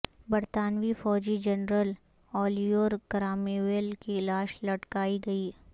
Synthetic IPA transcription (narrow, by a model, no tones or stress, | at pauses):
bɐɾt̪aːnʋifɔːd͡ʒid͡ʒɐnɾəl | ɔːlijoːɾɡɾaːmeʋeːlkiɪlaːʃlɐʈkaːiɡɐiː